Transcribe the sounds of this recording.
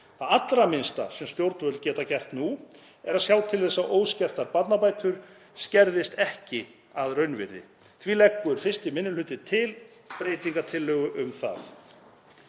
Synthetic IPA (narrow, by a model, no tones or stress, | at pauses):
θaat̪lɾamɪnst̪a̰sɛmst̪jowɾt̪nvœt̪lcɛːt̪acɛr̥t̪nu | ɛɾaðsjawt̪ʰɪlθɛsːaʔoːwscɛr̥t̪aɾpat̪napaːjt̪ʏɾ̥ | scɛɾðɪst̪ɛhcɪ | aðrœɥnvɪ̰ɾðɪ̰ | θʰvilɛkːʏɾ̥fɪ̥st̪ɪmɪnːʏlʏːt̪ɪt̪ʰɪl | pɾeːjt̪iŋkat̪ʰɪlːœːɣʏʔʏmθa̰θ